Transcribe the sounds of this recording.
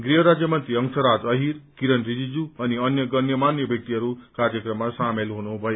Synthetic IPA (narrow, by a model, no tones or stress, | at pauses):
ɡɾiɦʌɾad͡zjʌmʌnt̪ɾiʌŋsʌɾad͡zʌɦiɾkiɾʌnɾid͡zid͡zuʌniʌnjʌɡʌnjʌmanjʌbʱjʌk̚t̪iɦʌɾukaɾjʌkrʌmːasamelɦunubʱʌjo